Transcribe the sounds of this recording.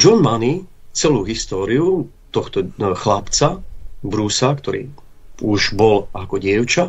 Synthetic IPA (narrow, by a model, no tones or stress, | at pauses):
d͡ʒɔnmanit͡sɛluːɦist̪ɔːɾiu | t̪ɔxt̪ɔxlapt͡sabɾusakt̪ɔɾḭː | uʒbɔlakɔɟɪɛʊt͡ʃa